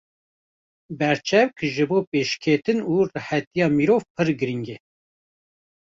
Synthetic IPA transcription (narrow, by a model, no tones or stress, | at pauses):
bɛɾt͡ʃʰɛvkʒɨboːpeːʃkʰet̪ɨnuːrɨħɛt̪ijɑːmiɾoːvpʰɨɾɡɨɾiŋɡe